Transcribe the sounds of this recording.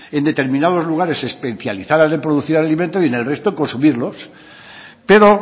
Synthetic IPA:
e̞nd̪et̪e̞ɾmĩnaðo̞zluɣ̞aɾe̞se̞spe̞θjaliθaɾane̞mpɾoðuθiɾalalimẽnt̪oie̞ne̞lre̞st̪oeŋkonsumiɾlo̞s | pe̞ɾo̞

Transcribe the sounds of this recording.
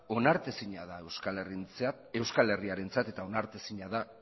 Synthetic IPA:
o̞naɾt̪esiɲaðaewskalert͡s | e̞wskale̞riaɾe̞nt͡sat̪e̞t̪ao̞naɾt̪esiɲaða

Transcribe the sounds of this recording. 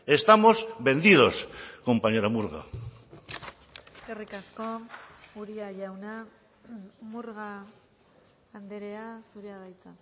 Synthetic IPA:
e̞st̪amo̞zβe̞nd̪ið̞o̞sko̞mpaɲeɾamuɾɣa̰ | eskerikasko̞uɾiaʝawna | muɾɣa | nd̪eɾeasuɾeaðajt͡sa

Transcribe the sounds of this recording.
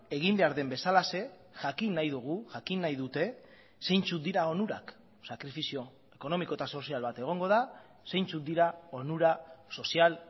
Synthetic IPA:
e̞ɣ̞imbe̞aɾðe̞mbe̞salase̞ | ʝakinːajðuɣ̞uʝakinːajðut̪e̞ | se̞jnt͡sut̪̚d̪iɾao̞nuɾa̰k | sakɾifisio̞ | e̞ko̞no̞miko̞e̞t̪aso̞sialβat̪e̞ɣ̞o̞ŋɡo̞ð̞a | se̞jnt͡sut̪̚d̪iɾao̞nuɾaso̞sial

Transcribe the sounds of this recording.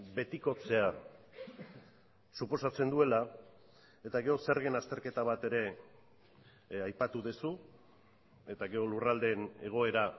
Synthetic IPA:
be̞t̪iko̞t͡se̞a | supo̞sat͡se̞nd̪ue̞la | e̞t̪aɣe̞o̞seɾɣenast̪e̞ɾke̞t̪aβ̞at̪e̞ɾe̞ | ajpat̪uðesu | e̞t̪aɣe̞o̞lurald̪e̞ːne̞ɣ̞o̞e̞ɾa

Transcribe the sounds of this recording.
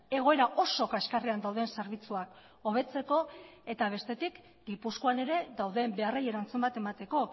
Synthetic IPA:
e̞ɣ̞o̞e̞ɾaʔo̞so̞kaeskariand̪awðe̞nse̞ɾβ̞it͡suak | o̞β̞e̞t͡se̞ko̞e̞t̪aβ̞e̞st̪e̞t̪ik | ɡipuskoane̞ɾe̞ðawðe̞mbe̞areje̞ɾant͡sumbat̪emat̪e̞ko̞

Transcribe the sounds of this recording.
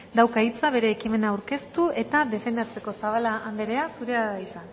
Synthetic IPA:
d̪awkait͡saβe̞ɾe̞ːkime̞naːwɾke̞st̪uʔe̞t̪aðe̞fe̞nd̪at͡se̞ko̞saβalaʔːnd̪eɾe̞asuɾeaðait͡san

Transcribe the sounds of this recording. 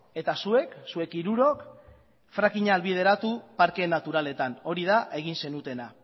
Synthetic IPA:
e̞t̪asue̞ksue̞kiɾuɾo̞k | fɾakiɲaːlβið̞e̞ɾat̪upaɾke̞nat̪uɾale̞t̪ano̞ɾið̞aʔe̞ɣ̞inse̞nut̪e̞na

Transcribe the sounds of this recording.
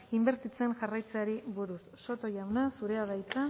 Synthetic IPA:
imbe̞ɾt̪it͡se̞nʝarajt͡saɾiβuɾusːo̞t̪o̞ʝawnasuɾe̞aðajt͡sa

